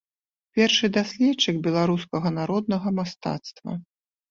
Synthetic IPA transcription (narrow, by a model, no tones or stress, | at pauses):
pʲɛrʂɨd̪asʲlʲɛt͡ʂːɨkbʲɛlˠaɾuskɐɣɐnaɾɔd̪̚nɐɣɐmast̪a̰t̪st̪vɐ̰